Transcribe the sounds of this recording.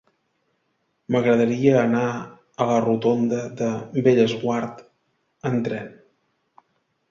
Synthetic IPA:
məɣɾəðəɾiəːna | ələrut̪ond̪əðəbeʎəzɣwaɾt̪ | ənt̪ɾɛn

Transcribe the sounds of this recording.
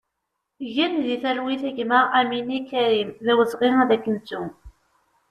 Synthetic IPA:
ʝænðiθælwiθæʝməʁæminikæɾimðæwəzʁiŋæðækːəntːum

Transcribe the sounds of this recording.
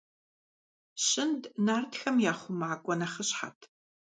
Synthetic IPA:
ɕɪndnaːrtxɐmjaːχʷʊmaʕkʷʼɔnɐχəɕħa̰tʰ

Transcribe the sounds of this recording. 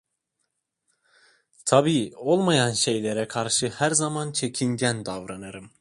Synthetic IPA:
t̪ʰabiːo̞lˠmajanʃe̞jlʲeɾɛkʰaɾʃɯhæɾzamant͡ʃʰe̞cʰinɟænd̪avɾanaɾɯm

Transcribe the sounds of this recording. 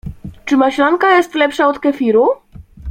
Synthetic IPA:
t͡ʂɘmaɕlaŋkajɛst̪lɛpʂaɔt̪kɛfʲiɾu

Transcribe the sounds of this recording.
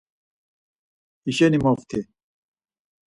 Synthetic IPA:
iɕenimoft̪ʰe

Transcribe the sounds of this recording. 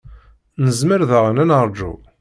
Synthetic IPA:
nəzməɾðəʁənænəɾˤd͡ʒṵ

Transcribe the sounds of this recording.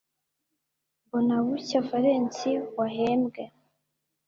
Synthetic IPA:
bunaβucafaɾeːnt͡siwaɦeːmbɡe

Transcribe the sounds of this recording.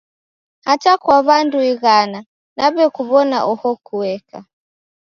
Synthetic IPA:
hatakwaβanduiɣana | naβɛkuβɔna̰ʔɔhɔkuwɛka̰

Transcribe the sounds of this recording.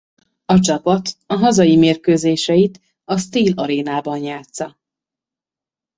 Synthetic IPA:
ɒt͡ʃɒpɒt̪ɒɦɒzɒjimeːrkøːzeːʃɛjit̪ | ɒst̪iːlɒɾeːnaːbɒnjaːt̪sɒ

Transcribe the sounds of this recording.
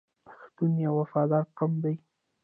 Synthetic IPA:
pḁxt̪unjawafɑd̪ɑɾqamd̪aj

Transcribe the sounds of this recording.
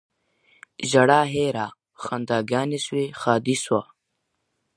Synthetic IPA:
ʑɐɽaːɦeːɾa | xand̪aːɡaːniswexaːd̪iswaː

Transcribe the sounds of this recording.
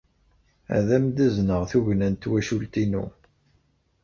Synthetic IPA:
æ̰ðæmd̪æznəʁθuʝnænt̪wæʃult̪inṵ

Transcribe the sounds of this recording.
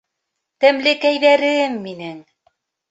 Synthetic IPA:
t̪æmlɘkæjðæɾɘmːinɘŋ

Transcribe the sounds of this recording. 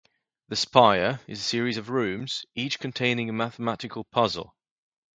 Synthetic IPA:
ðəspaɪəɹɪzəsɪəɹɪzəvɹʉ̃ːmz̥iˑt͡ʃkʰə̃ntʰẽɪ̃nɪ̃ŋəmaθəmatɪkʰəlˠpʰʌzə̰lˠ

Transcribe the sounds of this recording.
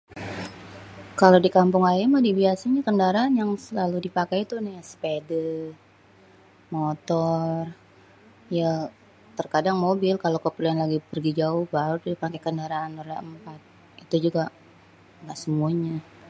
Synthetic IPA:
kalodikampʊŋajamadibiasaɲakəndaɾaːnjaŋsəlaludipakajt̪unajasə̥pedə | mot̪ɔr | ja | t̪ərkadaŋmobɪlkalokəpəluanlaɡipərɡid͡ʒaʊhbaɾuipakajkəndaɾaːnoɾaəmpat̪̚ | it̪ud͡ʒuɡa | ŋɡaʔsəmuaɲa

